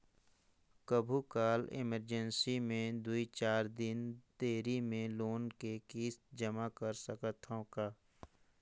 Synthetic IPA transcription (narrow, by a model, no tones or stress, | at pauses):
kəbʱukaːlɪ̰məɾd͡ʒənsimẽd̪uit͡ʃaːɾd̪ɪnt̪eːɾimẽloːnkekiːst̪d͡ʒəmakəɾsəkət̪ʰõkaː